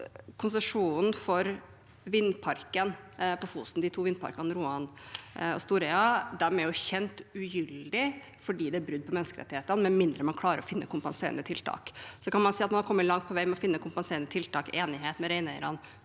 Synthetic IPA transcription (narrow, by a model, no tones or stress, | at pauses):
kʰʊnsəʂuːnn̩fɔɾ | ʋɪnːpʰɑɾkənpʰɔfuːst̪n̩d̪ɪt̪ʰuːʋɪnpʰɑ̰ɾkɑnɾuːɑnɔ̰st̪uːɾɛɑd̪æɾmɛʊçɛnt̪ʉjʏld̪ɪ | fɔɖiːd̪ɛæbɾʉd̪̚pɔmɛnːəskəɾɛ̰t̪ːɪeːt̪ənmɛnmɪnd̪ɾəmɑnkʰlɑːɾəɾɔfɪnːə̰kʰʊmpɑnsḛːɾə̰nət̪ʰɪlt̪ʰɑ̰ːksɔkɑnmɑnsiːɑt̪mɑnhɑɾkɔmːəlɑŋt̪̚pʰɔʋæɪmɛɔfɪnːəkʰʊmpɑnseːɾnət̪ʰɪlt̪ʰɑːkeːnɪɦeːt̪mɛɾɛɪnɛɪɾɑn